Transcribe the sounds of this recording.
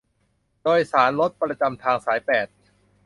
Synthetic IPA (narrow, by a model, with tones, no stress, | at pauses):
doː˧jsaː˩˦nlo˦˥t̪̚pɾa˧t͡ɕa˧mt̪ʰaː˧ŋsaː˩˦jpɛː˨˩t̪̚